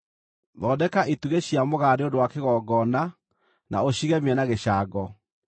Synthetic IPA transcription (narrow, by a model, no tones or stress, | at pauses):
ðɔdɛkaituɣeɕjamoɣaɾeodowakeɣɔɡɔna | na̰oɕiɣɛmɛnaɣeɕaːɡɔ